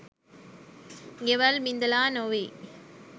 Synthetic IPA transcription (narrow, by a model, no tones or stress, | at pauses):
ɡeʋalmind̪ɐlaːnoːʋi